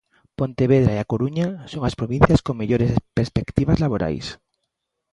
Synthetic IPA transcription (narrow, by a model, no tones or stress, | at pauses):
põnt̪eβeð̞ɾaiakoɾuɲasoŋaspɾoβ̞ĩn̟θjaskoŋmeʎoɾespeɾspekt̪iβazlaβoɾa̰js